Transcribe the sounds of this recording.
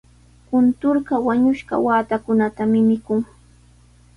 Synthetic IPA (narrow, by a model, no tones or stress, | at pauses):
kʊnt̪ʊɾɢɑwaɲʊʃɢɑ̰waːt̪akʊnat̪amɪmɪkʊŋ